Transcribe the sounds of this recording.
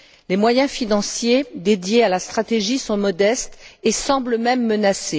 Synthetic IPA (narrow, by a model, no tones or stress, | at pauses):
lemwajɛ̃finɑ̃sjed̪ed̪jealast̪χat̪eʒisɔ̃mɔd̪ɛst̪esɑ̃bləmɛmːənase